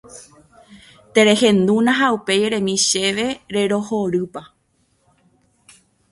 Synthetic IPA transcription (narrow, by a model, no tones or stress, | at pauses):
t̪e̞ɾe̞hẽ̞nd̪ũnãɦaupe̞jeɾe̞mĩʃe̞ʋe̞ɾe̞ɾo̞hoɾɨpa